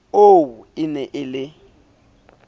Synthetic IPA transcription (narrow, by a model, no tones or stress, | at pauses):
owuɪnɛʔɪlɪ